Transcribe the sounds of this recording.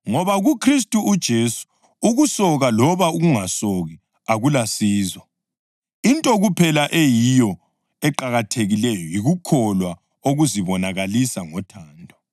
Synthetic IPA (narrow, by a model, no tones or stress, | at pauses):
ŋɔβaɣukʰris̬tʼuʔud̥ʒ̥ʱesu̥ | uɣusɔɣalɔβauɣuŋasɔɣi | aɣulasiːzɔ | intʼɔɣupʰɛlaʔejijɔ | ɛǃaɣatʰeɣilɛjɔjiɣukʰɔlwa | oɣuziβɔnaɣalisaŋɔtʰaːndʱɔ